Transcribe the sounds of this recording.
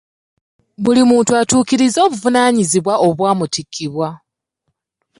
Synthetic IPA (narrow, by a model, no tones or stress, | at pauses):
βulimuːntuatuːkiɾizo̞ːβuvunaːɲiziβwaʔo̞βwaːmutikʰːiβwa